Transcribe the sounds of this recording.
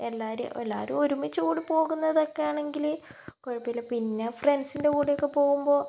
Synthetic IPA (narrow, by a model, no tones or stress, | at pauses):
elːaːɾṵelːa̰ːɾṵmoɾumit͡ɕːɨkuːɽipo̞ːɣunːɐðo̞kːejaːɳe̞ŋɡilkoɻipːijlepinːefrensinde̞kuːɽejo̞kːe̞po̞ːɣumbo̞ː